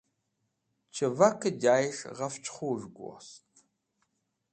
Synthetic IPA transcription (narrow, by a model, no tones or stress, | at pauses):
t͡ʃʰɨvɐkʰɨdaːjɪʂʁɐft͡ʃʼχʷuʒɡʷɔ̰stʰ